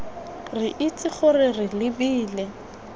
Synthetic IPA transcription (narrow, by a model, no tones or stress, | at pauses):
rɪʔit͡sʼɪχʊrɪrɪlɪbiːlɛ